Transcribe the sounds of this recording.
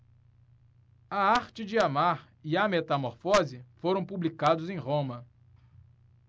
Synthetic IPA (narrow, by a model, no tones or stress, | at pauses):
ɐaɾt͡ʃɪd͡ʒɪamaɾ | iɐmet̪amoɾfɔzɪfoɾɐ̃w̃publikad̪ʊzẽj̃ʁõmɐ